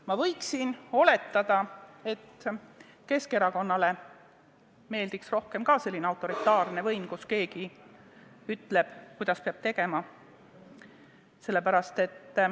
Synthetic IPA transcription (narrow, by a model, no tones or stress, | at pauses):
mɑvɤjksino̞le̞t̪ːˑɑd̪̥ɑe̞t̪ː | ke̞ske̞ɾɑko̞nːɑle̞ | me̞ːld̪iksro̞hke̞mkɑse̞lʲːineɑwt̪ːˑo̞ɾit̪ːˑɑːrne̞vɤjmkuske̞ːɡi | yt̪ːˑle̞b̥kujd̪̥ɑspeɑb̥̚t̪e̞ɡ̥e̞mɑ | se̞lːe̞pæɾɑst̪e̞t̪ː